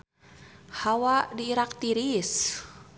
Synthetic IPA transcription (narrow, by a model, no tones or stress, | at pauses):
hawadiːɾak̚t̪iɾis